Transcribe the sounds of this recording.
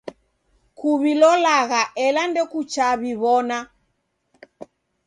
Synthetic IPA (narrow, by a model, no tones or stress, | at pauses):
kuβilɔlaɣaʔɛlandɛkut͡ʃaβiβɔna